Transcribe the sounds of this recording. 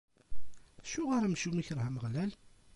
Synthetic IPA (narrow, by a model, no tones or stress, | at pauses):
ʃʊʁaɾæmʃumiçəɾˤhæməʁlæl